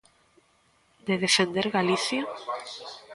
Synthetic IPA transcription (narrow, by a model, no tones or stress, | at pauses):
d̪eðefend̪eɾɣaliθja